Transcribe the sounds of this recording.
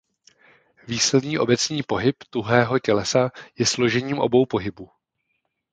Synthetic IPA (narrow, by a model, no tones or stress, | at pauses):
viːslɛd̪ɲiːʔo̞bɛt͡sɲiːpo̞ɦɪpt̪uɦɛːɦo̞cɛlɛsajɛslo̞ʒɛɲiːmʔo̞̰bo̞wpo̞ɦɪbu